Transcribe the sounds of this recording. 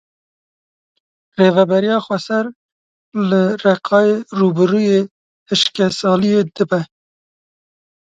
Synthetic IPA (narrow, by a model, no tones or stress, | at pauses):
reːvɛbɛɾijɑːxʷɛsɛɾ | lɨrɛqʰɑːjeːruːbɨɾuːjeː | hɨʃkɛsɑːlijeːd̪ɨbɛ